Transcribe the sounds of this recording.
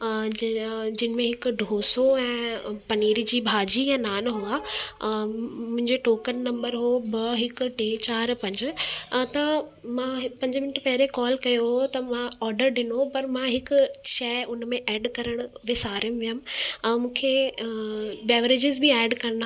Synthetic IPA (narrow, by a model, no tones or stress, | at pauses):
d͡ʑɪnɪ̆mẽɦɪkʊ̆ɖʱoːsoɛ̃ːpɐniːɾd͡ʑiːbʱaːd͡ʑijãːnaːnɦuaː | mʊ̃ɦɪ̃ɲd͡ʑeʈoːkəlnɐ̃mbəɾɦobɐɦɪk̆ʈeːt͡ɕaːɾpɐ̃ɲd͡ʑt̪ɐmãɦpɐ̃ɲd͡ʑmɪnəʈpɐɦɪɾekɔːlkɐjoɦt̪ɐmãɔːɾɖəɾɗɪnopɐɾmãɦɪkʊʃɐːʊnmẽʔɛːɖkɐɾəɽ̃ʋɪsaːɾɪmʋijəmmũːkʰe | bɛːʋəɾeːd͡ʑɪzbʱɪɛːɖkɐɾ̃nd̪a